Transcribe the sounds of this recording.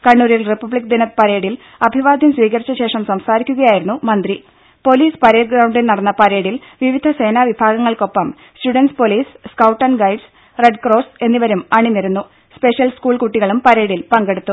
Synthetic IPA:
kɐɳːuːɾilripːɐbɭikːɐd̪inɐt̪pɐɾe̞ːɽil | ɐbʱiʋaːd̪ʱjɐmsʋiːɣɐrit͡ɕːɐɕe̞ːʂɐmsɐmsaːɾikʲːuɣɐjaːjiɾunːumɐnd̪ri | po̞liːspɐɾe̞ːʈɡɾɐwɳɖilnɐɽɐnːɐpɐɾe̞ːɽil | ʋiʋid̪ʱɐse̞ːnaːʋibʱaːɡɐŋːɐɭko̞pːɐm | stuɽɐnspo̞liːsskɐwʈːɐnɡɐjɖs | reɖkroːse̞nːiʋɐɾumɐɳinːeɾunːu | spe̞ʂjɐlskuːɭkuʈːiɣɐɭumpɐɾe̞ːɽilpɐŋɡe̞ɽut̪ːu

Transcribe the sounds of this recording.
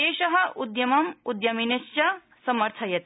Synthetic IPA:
eːʃɐɦɐ̆ʔud̪jɐmɐmud̪jɐminɐst͡ʃɐ | sɐmɐɾt̪ʰɐjɐt̪

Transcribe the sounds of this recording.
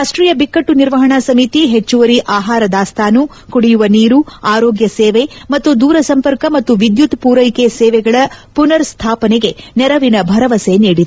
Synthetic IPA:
ɾaːʂʈɾiːjɐbikːɐʈːuniɾʋɐɦɐɳasɐmit̪iɦet͡ʃːuʋɐɾiʔaːɦaːɾɐd̪aːst̪ʰaːnu | kuɽijuʋɐniːɾuaːɾoːɡjɐsɛːʋemɐt̪ːud̪uːɾɐsɐmpɐɾkɐmɐt̪ːuʋid̪jut̪puːɾɐjkesɛːʋɛɡɐɭɐpunɐɾst̪ʰaːpɐnɛɡe̞nɛɾɐʋinɐbʱɐɾɐʋɐseniːɽid̪e

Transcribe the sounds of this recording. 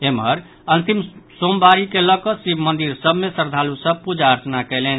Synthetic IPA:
emɦəɾ | ənt̪imsombaɾikeləkɔsibʱmənd̪iɾsəbmesəɾd̪ʱalusə̃pud͡ʒaəɾt͡ʃnakɛɪlɛn

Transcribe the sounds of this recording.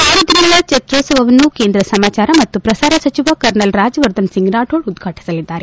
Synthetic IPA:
aːɾod̪inɐɡɐɭɐt͡ʃet̪ɾoːsɐʋɐʋɐnːukeːnd̪ɾɐsɐmaːt͡ʃaːɾɐmɐt̪ːupɾɐsaːɾɐsɐt͡ʃiʋɐkɐɾɳɐlɾaːd͡ʒɐʋɐɾd̪ʱɐnsiŋɡnaːʈoːɭud̪ɡʰʱaːʈi̥sɐlid̪ːaːɾe

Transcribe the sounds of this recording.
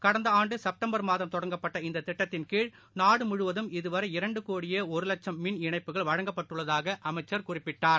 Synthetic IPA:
kɐɽɐnd̪ɐaːɳɖɯsɐp̚ʈɐmbɐɾmaːðɐmt̪ɔɽɐŋɡɐpːɐʈːɐɪnd̪ɐt̪ɪʈːɐt̪ːɪnkiːɻ | naːɽɯmʊɻɯʋɐðɯmɪðɯʋɐɾɐɪɾɐɳɖɯkoːɽɪjɐɔɾɯlɐt͡ʃːɐmːɪnɪɳɐɪpːɯɣɐɭʋɐɻɐŋɡɐpːɐʈːɯɭːɐðaːɣɐʔɐmɐɪt͡ʃːɐɾkʊrɪpːɪʈːaːɾ

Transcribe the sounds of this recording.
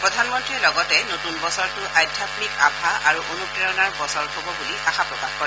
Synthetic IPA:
pɹɔdʱanmɔntɹilɔɡɔtɛnotunbɔsɔɹtʊʔajdʰʱapmika̰pʰaaɹuʔonukɹeɔnaɹbɔsɔɹhobɔbuliʔaxapɹɔkaxkɔɹɛ

